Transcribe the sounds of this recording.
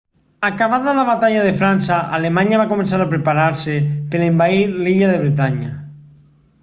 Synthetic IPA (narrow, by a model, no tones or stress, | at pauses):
akaβaðalaβat̪aʎaðefɾansaa̰lemaɲaβakomẽnsaɾapɾepaɾaɾsepeɾaembaiɾliʎaðeβɾet̪aɲa̰